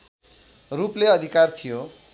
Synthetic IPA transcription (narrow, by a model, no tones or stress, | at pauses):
rupleʌd̪ʱikart̪ʰijo